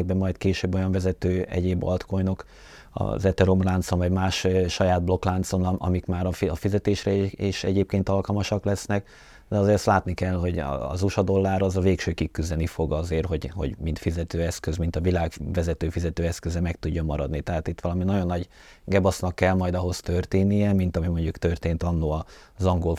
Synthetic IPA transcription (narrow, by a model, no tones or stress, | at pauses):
ɡ̚bɛmːɒjt̪keːʃøːbːo̞jɒɱvɛzɛt̪øːɛ̰ɟeːbɒ̰lt̪ko̞jno̞k | ɒ̰zɛt̪ɛɾomlaːnt̪soɱvɒɟmaːʃʃɒjaːd̪̚blo̞klaːnt̪sonɒɒ̰mikmaːɾɒɒfizɛt̪eːʃɾɛeːʃɛ̰ɟeːp̚keːnt̪ɒlkɒlmɒʃɒklɛsnɛk | d̪ɛɒzeːɾɛst̪laːt̪nikɛlɦo̞ɟɒ̰ːzuʃɒd̪o̞lːaːɾɒzɒveːkʃøːkikːyzd̪ɛnifo̞ɡɒzeːrɦo̞ɟho̞̰ɟmint̪fizɛt̪øːɛskøzmint̪ɒvilaːɡvɛzɛt̪øːfizɛt̪øːɛskøzɛmɛkt̪uɟːomːɒɾɒd̪nit̪ɛɦaːt̪it̪ːʋɒlɒminɒɟo̞nːɒɟ | ɡɛbɒsnɒkːɛlmɒjd̪ɒɦo̞st̪ørt̪eːnːijɛmint̪ɒmimo̞ɲɟukt̪ø̞rt̪eːnt̪ɒnːoɒzɒŋɡol